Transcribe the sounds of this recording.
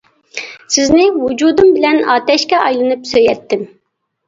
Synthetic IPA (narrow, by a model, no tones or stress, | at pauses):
sɪznɪwud͡ʒud̪umbɪlɛnɑːt̪ɛʃkʲɛɑjlˠɨnɨpsøjɛt̪ʰːɪm